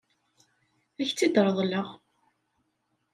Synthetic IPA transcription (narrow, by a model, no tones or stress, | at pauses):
æçt͡sːid̪ɾˤəðˤləʁ